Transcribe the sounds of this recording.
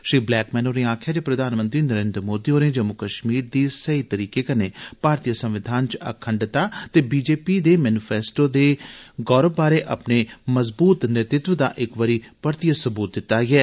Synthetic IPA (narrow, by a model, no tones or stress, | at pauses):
ʃɾiːblɛːkmɛːnoːɾẽːaːkʰjaːd͡ʒeːpɾəd̪ʱaːnmənt̪ɾiːnəɾeːnd̪ɾəmoːd̪iːoːɾẽːd͡ʒəmʊkəʃmiːɾd̪iːsəit̪əɾiːkeːkəneːpaːɾt̪ijəsə̃mʋɪd̪ʱaːnt͡ʃə̰kʰəɳɖɪt̪aːt̪eːbiːd͡ʒeːpiːd̪eːmɛːnɪpʰɛːsʈoːd̪eːɡɔːɾəbːaːɾeːʔə̰pneːməzbuːt̪nɪɾt̪ɪt̪ʋəd̪a̰ːʔɪkʋəɾiːpəɾt̪ijəsəbuːt̪̚d̪ɪt̪ːaːɡɛː